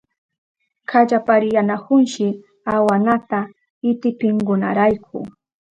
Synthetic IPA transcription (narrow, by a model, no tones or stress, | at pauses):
kʰad͡ʒapaɾɪjanakʊnʃɪ | awanat̪a | ɪt̪ɪpɪŋɡʊna̰ɾajkʰʊ̰